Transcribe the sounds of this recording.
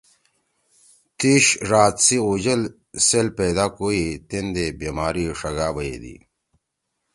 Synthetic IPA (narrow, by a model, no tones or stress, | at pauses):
t̪iːɕɾaːt̪sioːd͡ʑɐl | selpeːd̪aːkoit̪end̪ebemaːɾiʂɐɡaːbəed̪ḭ